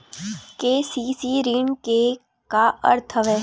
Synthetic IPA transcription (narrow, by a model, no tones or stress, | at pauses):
keːsiːsiːɾiɳke | kaə̰ɾt̪ʰəʋɦɛː